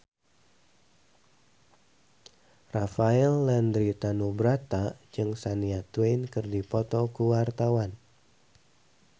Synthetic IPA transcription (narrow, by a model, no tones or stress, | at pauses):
rafaɛlːandɾit̪anubɾat̪ad͡ʒɨŋsaniat̪wejnkɨrdipɔt̪ɔkuwart̪awan